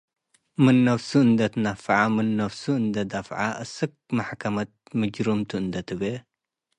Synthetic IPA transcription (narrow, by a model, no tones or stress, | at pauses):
mɨnːɐfsuɨnd̪ɐt̪ɨnɐfʕamɨnːɐfsuɨnd̪ɐd̪ɐfʕaʔɨsɨk̚maħkʰɐmɐt̪̚mɨd͡ʒɾumt̪ʰɨɨnd̪ɐt̪ʰɨbe